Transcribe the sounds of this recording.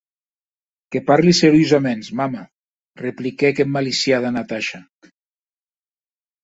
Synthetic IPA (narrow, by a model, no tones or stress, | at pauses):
kepaɾliseɾjozamensmama | replikɛkemmːalisjaðanat̪aʃa